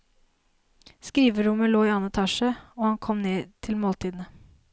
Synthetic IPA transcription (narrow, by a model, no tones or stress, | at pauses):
skɾiːʋəɾʊməloːiːɑːnət̪ʰɑʃəoːhɑnkʰɔmneːt̪ʰɪlmoːlt̪ʰiːd̪n̩ə